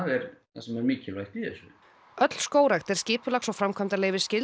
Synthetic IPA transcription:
aðɛɾθa̰sɛmɛɾmiːcɪlvajht̪iθɛsʏ | œt̪l̥skoːwɾaxt̪ɛɾ̥scɪːpʏlaxsɔɣfɾamkʰamt̪aleːjvɪ̥scɪl

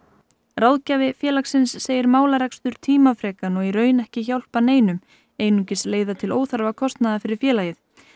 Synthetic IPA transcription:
rawðcaːvɪfjɛːlaksɪnsːeːjɪɾmaːwlaɾɛkst̪ʏɾ̥t̪ʰiːmafɾɛːkanɔɣiɾœːɥnɛhcɪçawl̥paneːjnʏm | eːjnucɪsleːjðat̪ʰɪloːwθaɾvakʰɔst̪naðafɪɾɪɾ̥fjɛːlaːjɪθ

